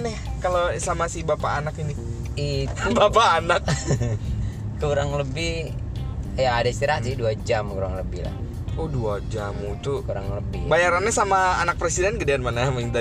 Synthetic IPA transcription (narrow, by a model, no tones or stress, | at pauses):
nɛhkalosamasibapaːnakini | ibapaːnak̚ | kuɾaŋləbɪh | jaːdaist̪iɾasɪduad͡ʒamkuɾaŋləbɪhla̰h | oduad͡ʒamut̪ukuɾa̰ŋləbɪ̰hbajaɾanːɛsamaanak̚pɾesidɛnɡədeanmanamaiŋd̪a